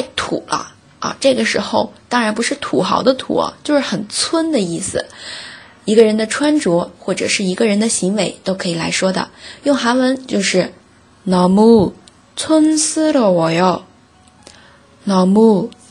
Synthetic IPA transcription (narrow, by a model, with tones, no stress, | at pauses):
ɪt̪ʰṵ˨˩lə̰˦ | ɐ̰˧ʈ͡ʂɤ˥˩ɡə˩ʂɻ̩˧˥xo˧ʊt̪ɑ˥ŋɻa˧˥np̬u˧˥ʂɻ̩˥˩t̪ʰu˨˩xɑ˧˥ʊd̪ə˧t̪ʰṵ˨˩ɐ̰˦t͡ɕjo˥˧ʊʂɻ̩˥˩xə˨˩nt͡sʰwə˥nd̪ə˨i˥˩sɹ̩˨˩ | i˧˥ɡə˧ɻə˧˥nd̪ə˧ʈ͡ʂʰwa˥nʈ͡ʂwɔ˧˥xwɔ˥˩ʈ͡ʂɤ̰˨˩ʂɻ̩˥˩i˧˥ɡə˧ɻə˧˥nd̪ə˧ɕi˧˥ŋwe˧˥ɪt̪o˥ʊkʰɤ˧˥i˨˩la̰˧˥ɪʂwɔ˥d̪ə̰˨jʊ˥˩ŋxa˧˥nwə˧˥nt͡ɕjo˥˧ʊʂɻ̩˥˩ | nɑ˨˩ʊmu˥˩ | t͡sʰwə˥nsɹ̩˥lə˨wɔ˨˩jɑ˥˩ʊ | nɑ˨˩ʊmu˥˩